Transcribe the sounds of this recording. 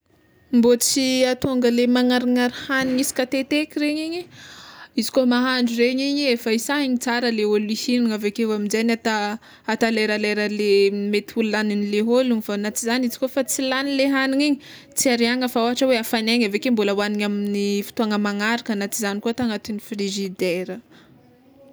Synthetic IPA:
mbot͡siat̪oŋɡəlemaŋaɾaŋaɾihaniɲisi̥kat̪et̪ekʲiɾeɲeɲi | izi̥komaɦaɳɖ͡ʐureɲiɲeefaisaɦiɲit͡saɾəleolisiniŋavekewaminzanat̪a | at̪aleɾaleɾəlemet̪iululaninileɦoluŋivanat͡sizanizi̥kofat͡silanileɦaniŋeɲi | t͡siaɾiaŋəfaoɦaʈ͡ʂəweafaneɲavekembuləwaniɲaminifi̥t̪oaŋəmaŋaɾikanat͡sizanikuat̪aŋat̪inifriʒid̪eɾə

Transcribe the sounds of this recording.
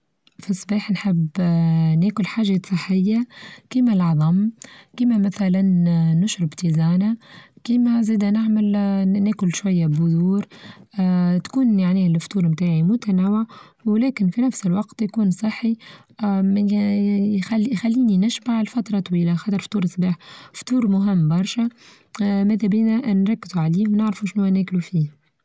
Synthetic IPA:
fisˤːbɑːħnħɪb | næːkʊlħaːʒasˤɨħːɪjːakiːmælʕɑðˤɑmkiːmæmæθælanːʊʃɾɪbt̪iːzaːnakiːmæziːd̪ænɪʕmɪlnæːkʊlʃwajːabʊðuːɾ | t̪kuːnjaʕnilft̪uːɾmt̪aːʕimʊt̪ænæːwɪʕ | wlɛːkɪnfinæfsɪlwɑqt̪jkuːnsˤɨħːi | m | xæxælːiːninɪʃbaʕlfɑt̪ɾˤɑt̪ˤwiːlaxɑt̪əɾˤft̪ˤuːɾsˤbiːħft̪uːɾmʊɦɪmːbɑɾˤʃæ | mæːd̪æbiːnæʔnɾˤɑkːɪzuʕaliːwnɪʕɾfuʃnuwænæːklufiː

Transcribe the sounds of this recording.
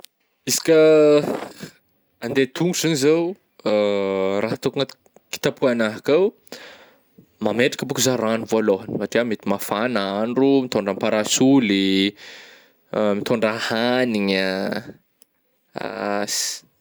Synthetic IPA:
isi̥kʲə | and̪et̪uŋɡusinizaw | raɦat̪okuŋat̪ | ki̥t̪apʰuanaɦakaw | mameʈ͡ʂḁkəbukuzaɾaɳuvoaloɦanmaʈ͡ʂiamet̪imafanaɳɖ͡ʐumit̪oɳɖ͡ʐampaɾasuli | mit̪ʰoɳɖ͡ʐahaniɲa | a̰si̥

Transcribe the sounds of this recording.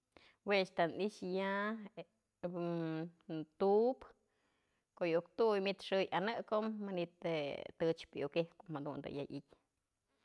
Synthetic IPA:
wet͡ʃt̪aniʂja | t̪up | koʔjukt̪ujmit̪ʂɨjanɨkomːanit̪et̪ɨt͡ʃpjukehkomhad̪ṵnd̪a̰jaʔikʲ

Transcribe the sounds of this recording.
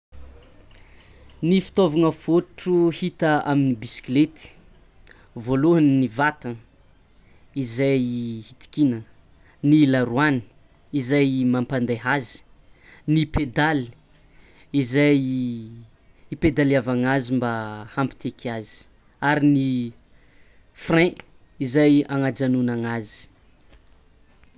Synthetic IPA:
nifi̥t̪ovaŋəfoʈ͡ʂuhit̪əaminibisi̥klet̪i̥ | voluɦannivat̪ə | izajhit̪i̥kinə | nilaɾuani̥ | izajmampand̪eɦazi̥ | niped̪ali̥ | izaj | iped̪alavaŋazimbahampi̥t̪ekʰazi̥ | aɾini | frɛ̃ | izajaŋad͡ʒanunaŋazi̥

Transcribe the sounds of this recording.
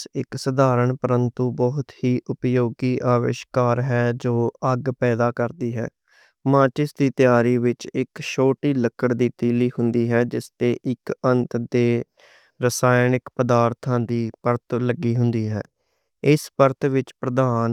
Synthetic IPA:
ɪksəd̪aːɾəɳpəɾənt̪uːbɔɦʊt̪hiːʔʊpjoːɡiːʔaːʋɪ̰ʃkaːɾɦɛːd͡ʒoːəɡpɛːd̪aːkəɾd̪iːɦɛ̰ː | mãːt͡ʃɪsd̪iːt̪jaːɾiːʋɪt͡ʃɪkʃoːʈiːləkʰːəɽd̪iːt̪iːliːhʊnd̪iːɦɛːd͡ʒɪst̪eːʔɪkənt̪d̪eː | ɾəsaːjnɪkpəd̪aːɾt̪ʰãːd̪iːpəɾt̪ləɡiːɦʊnd̪iːɦɛ̰ː | ɪspəɾt̪ʋɪt͡ʃpɾəd̪aːn

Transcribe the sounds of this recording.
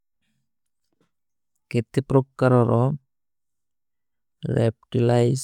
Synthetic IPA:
ket̪epɾɔpkaɾɔɾɔ | ɾɛpʈilajz

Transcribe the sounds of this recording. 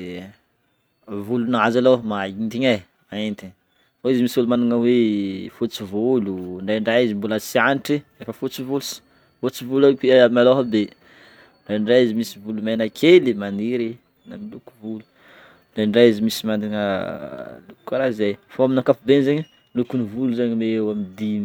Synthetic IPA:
vulunaazalomaint̪iɲaj | aent̪i | foizimisvulumand̪iŋawefut͡sivuluɳɖ͡ʐaɳɖ͡ʐajizimbulasianiʈ͡ʂiefəfut͡sivulusi̥ | fut͡sivulawepiamaloɦad̪e | ɳɖ͡ʐaɳɖ͡ʐajizimisivulumanəkʰelimaniɾi | namiluku̥vulu̥ | ɳɖ͡ʐaɳɖ͡ʐajizimisimand̪iŋə | lukkaɾaizzajfoaminakafubenzeɲə | lukunivuluzaɲmeewamid̪imi

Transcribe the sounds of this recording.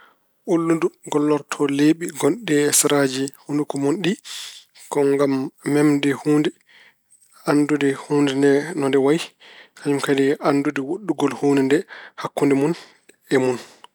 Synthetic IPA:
ʔulːunduɡɔlːɔɾtʰɔleɓiɡɔnɗɛsɾad͡ʒihundukɔmonɗi | kɔŋɡamːɛmdɛhuːndɛ | andudɛhuːndindɛnɔndɛwajihaɲumkadɛʔandudɛwoɗːuɡɔlhuːndɛndɛhakːundɛmun | ɛmun

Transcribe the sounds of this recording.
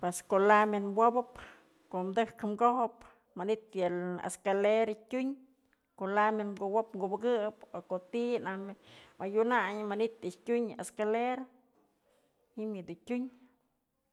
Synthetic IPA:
pweskoʔlamenwobɨp | koʔmd̪ɨhkmɡohop | manit̪jala̰skaleɾatʲuɲ | kolamenmɡowopŋɡubɡɨpokot̪inahmmajunaɲmanit̪ɨtʲuɲaskaleɾa | himjɨd̪utʲuɲ

